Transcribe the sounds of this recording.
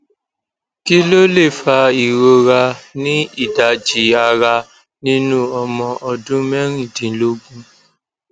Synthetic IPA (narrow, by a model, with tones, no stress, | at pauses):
ki˦lo˦le˦˨fa˧i˨ɾo˧ɾa˧nĩ˦i˦˨da˨d͡ʒi˨a˧ɾa˧ | nĩ˦nũ˦ɔ˧mɔ̃˧ʔɔ˧dũ˦mɛ˦ɾ̃ĩ˦˨dĩ˨˦lo˦ɡũ˦